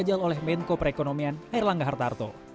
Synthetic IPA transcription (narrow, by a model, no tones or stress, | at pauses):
d͡ʒalolɛhmɛnkopɾekonomianaɪrlaŋɡaɦart̪art̪o̰